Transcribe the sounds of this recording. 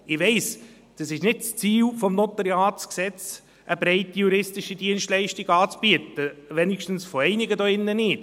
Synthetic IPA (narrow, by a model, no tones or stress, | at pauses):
ɪʋɛɪs | d̥ɑsɪʃnɪd̥̚t͡st͡siːwfɔmnot̪əɾiɑːtsksɛt͡s | ʔəbɾɛɪtijuɾɪstɪʃidiənstlɛɪʃtiɡɑːt͡sb̥iətəʋɛnɪkʃtən̩sfɔɛɪnɪɡədɔɪnːənɪːt